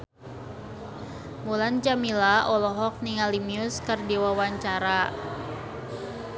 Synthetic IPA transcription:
mulant͡ʃamilaʔɔlɔɦɔk̚niŋalimiʊskərdiwawaɲt͡ʃaɾa

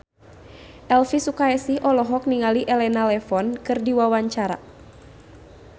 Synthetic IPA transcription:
ʔɛlfisukaɛsihɔlɔɦɔk̚niŋaliʔɛlɛnalɛfɔnkɨrdiwawaɲt͡ʃaɾa̰

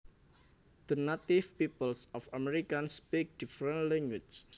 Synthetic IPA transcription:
d̪̥ənat̪ifpipəlsɔfamɛɾikanspik̚d̥ifɾənlɛŋwit͡ʃ

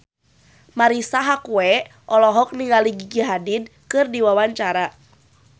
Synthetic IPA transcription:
maɾisaɦakuɛ | ʔɔlɔɦɔk̚niŋɡaliɡiɡiɦadidkɨrdiwawaɲt͡ʃaɾa

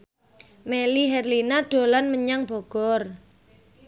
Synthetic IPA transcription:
meliɦɛrlinaɖ̥o̤lanməɲaŋb̥ɔ̤ɡ̥ɔr

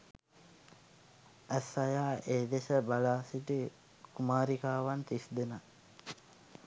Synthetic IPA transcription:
æsajaːʔeːd̪esəbalaːsiʈi | kumaːɾikaːʋant̪isd̪ena

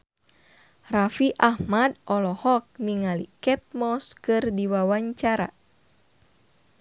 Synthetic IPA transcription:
rafiʔahmadʔɔlɔhɔk̚niŋalikɛt̪̚mɔskɨrdiwawaɲt͡ʃaɾa

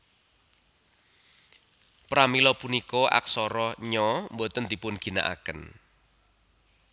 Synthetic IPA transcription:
pɾamilɔpunikɔʔa̰ksɔɾɔɲɔmbot̪ənd̪̥i̤pʊnɡ̥i̤na̰ʔa̰kən

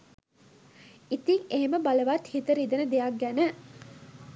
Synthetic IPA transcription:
it̪iŋeɦeməbaləʋat̪hit̪əɾid̪ənəd̪ejak̚ɡænə

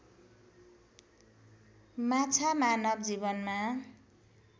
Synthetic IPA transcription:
mat͡sʰamanʌb̚d͡zibʌnma

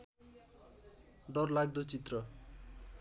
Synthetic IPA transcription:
ɖʌrlaɡd̪ot͡sit̪rʌ

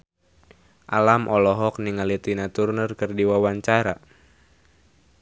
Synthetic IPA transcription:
ʔalamʔɔlɔɦɔk̚niŋalit̪inat̪urnərkɨrdiwawaɲt͡ʃaɾa

